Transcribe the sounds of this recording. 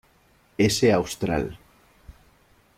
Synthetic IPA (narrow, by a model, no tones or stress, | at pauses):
eseawst̪ɾa̰l